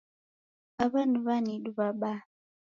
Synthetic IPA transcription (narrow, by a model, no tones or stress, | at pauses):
aβanuβaniɗuβaɓa